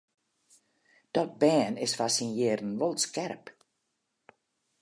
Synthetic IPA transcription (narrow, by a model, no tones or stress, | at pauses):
d̥ɔt̚bɛːnɪsfasinjeːrən̩ʋɔlˠskɛrp